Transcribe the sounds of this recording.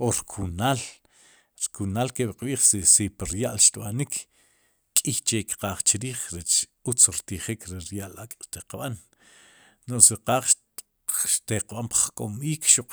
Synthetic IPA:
oɾkʰunaːl | ɾkunaːlkeʔɓqɓiːχsisipiɾjaʔlʃt̪ɓanik | kʼixt͡ʃekqaːχt͡ʃiɾiːχɾet͡ʃut͡sɾt̪iχikʰɾiɾjaʔlakʼʃt̪eqɓan | osiqaːχʃ | ʃt̪eqɓampḁχkʼomiːkʃuqʼ

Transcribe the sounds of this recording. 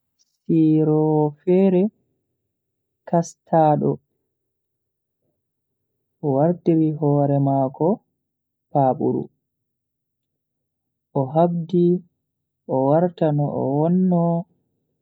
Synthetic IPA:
siɾɔfɛɾɛ | kastʰaːɗɔ | ʔɔwaɾtiɾiɦɔːɾɛmaːkɔ | paːɓṵɾṵ | ʔɔɦabdi | ʔɔwaɾtanɔʔɔ̰wɔnːɔ

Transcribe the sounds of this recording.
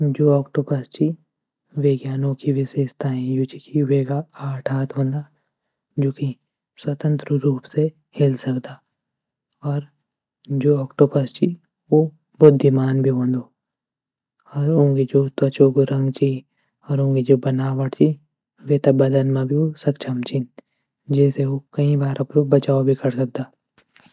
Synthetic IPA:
d͡ʒoːɔːkʈopəst͡ʃi | ʋeːɡjaːnõkiʋɪseːʃt̪aɦɛ̃jut͡ʃikiʋeːɡaaːʈʰaːt̪ʰɦõːnd̪aː | d͡ʒoːki | swɐt̪ə̃nt̪ɾəɾuːpse | hɪlsɐkd̪aː | ɔːɾ | d͡ʒoːɔːkʈopəst͡ʃi | ʋo | bʊd̪ʱːimaːnbʱiɦõːnd̪oː | ɔːɾõːɡid͡ʒoːt̪ɐt͡ʃokoɾɐ̃ŋɡt͡ʃi | ɔːɾõːŋɡid͡ʒoːbɐnaːʋɐʈt͡ʃi | ʋeːt̪ɐbɐd̪ənmãbʱiosɐkt͡ʃʰɐmt͡ʃin | d͡ʒɛːseokɐĩbaːɾʔõpebɐt͡ʃaːobʱikɐɾsɐk̚d̪aː

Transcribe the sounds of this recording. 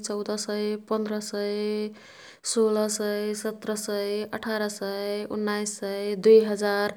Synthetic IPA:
t͡ʃɔwd̪ʌsəjpənd̪ɾəsəj | solʌsəjsət̪ɾəsəjəʈʰaɾʌsəṵnːajsːəɪd̪ujɦəd͡ʒaɾ

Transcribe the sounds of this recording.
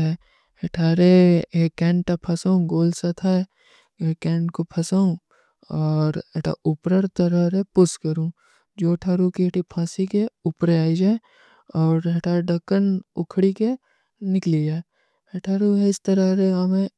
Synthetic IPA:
ɛ | ɦɐʈʰaːɾeekɛ̃ːɳʈʈapʰɐsaːũɡoːlsɐt̪ʰaɛ | ekɛ̃ːɳʈkopʰɐsaːũ | ɔːɾeʈʰa̰ʊpɾəɾt̪ɐɾaɾepʊskɐɾũ | d͡ʒoːʈʰaːɾukiʈʰipʰãːsikeʊpɾeaːid͡ʒaːe | ɔːɾɦɐʈʰaːɾeɖɐkːənʊkʰɽike | nɪklid͡ʒaːe | hɐʈʰaːɾuɦɛɪst̪ɐɾaɾeɦɐmẽ

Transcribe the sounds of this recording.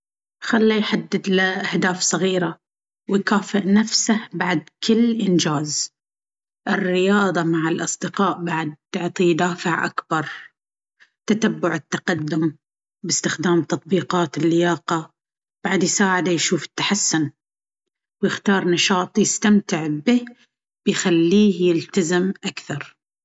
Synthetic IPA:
xalːijħad̪ːɪd̪lɪʔahd̪aːfsˤɑɣiːɾa | wɪjkaːfɪʔnafsahbaʕd̪kɪlːʔɪnd͡ʒaːz | ʔɪrːɪjɑːðˤɑmaʕɪlʔɑsˤd̪ɪqɑːʔbaʕad̪̚tɪʕt̪ˤid̪aːfɪʕʔa̰kbɑɾˤ | t̪at̪abːʊʕɪt̪ːaqad̪ːʊm | bɪst̪ɪxd̪aːmt̪ɑt̪̚ˤbiːqɑːt̪ɪlːɪjaːqɑ | b̥aʕad̪jsaːʕɪd̪ajʃuːfɪ̥t̪ːḁħasːʊn | wjɪxt̪ɑːɾˤnɑʃɑːt̪ˤjɪst̪amt̪ɪʕbɪ | b̥ɪjxalːiːhjɪlt̪azɪmʔakθɑɾˤ

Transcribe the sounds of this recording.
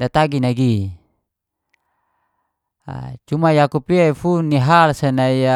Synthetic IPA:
dat̪aɡinaɡi | a̰t͡ʃumajakupiaifunːiɦalsanaia

